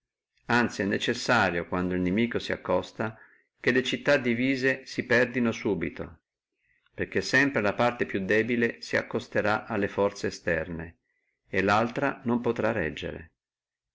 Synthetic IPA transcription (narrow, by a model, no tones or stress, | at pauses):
ant̪siɛnːet͡ʃesːaːɾjokwand̪oilnemiːkosia̰kːɔst̪a | kelet͡ʃit̪ːad̪iviːzesipɛrd̪inosuːbit̪o̰ | perkesːɛmpɾelapart̪epjud̪ːɛːbilesia̰kːost̪eɾaʔalːefɔrt̪seːst̪ɛrne | elːalt̪ɾanompot̪ɾarːɛ̰d͡ʒːḛɾḛ